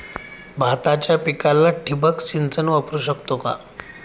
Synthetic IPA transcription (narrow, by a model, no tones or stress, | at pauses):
bʱat̪at͡ɕjapikalːaʈʰibəksint͡sənʋəpɾuɕəkt̪oka̰